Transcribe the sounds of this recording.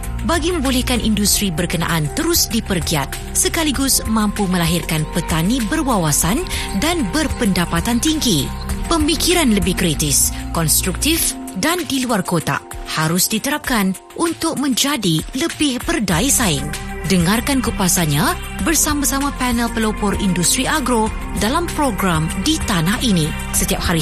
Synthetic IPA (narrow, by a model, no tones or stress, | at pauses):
baɡimə̃mbolɛhkanʔindust̪ɾibərkəna̰ʔant̪əɾʊsdipərɡia̰t̪̚ | səkaliɡʊsmãmpumə̃laɦirkanpət̪anibərwawasandanbərpəndapat̪ant̪iŋɡi | pəmikiɾanləbɪhkɾit̪ɪskɔnst̪ɾuk̚t̪ifdandiluarkot̪a̰haɾʊsdit̪əɾap̚kan | ʔunt̪ʊk̚mə̃ɲd͡ʒadiləbɪhbərdaisaɪŋdəŋarkankupasaɲã | bərsamãsamãpɛnəlpəlopɔrḭndust̪ɾiʔaɡɾo | dalampɾoɡɾamdit̪anahʔinĩ | sət̪iap̚haɾi